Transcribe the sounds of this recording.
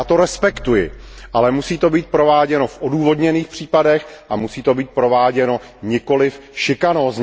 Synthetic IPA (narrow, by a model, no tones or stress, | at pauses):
t̪o̞ɾɛspɛkt̪ujɪ̰ʔalɛmusiːt̪o̞biːt̪̚pɾovaːɟɛno̞fʔoduːvo̞dɲɛniːxpr̝̥iːpadɛxʔamusiːt̪o̞biːt̪̚pɾo̞vaːɟɛno̞ | ɲɪko̞lɪfʃɪkanoz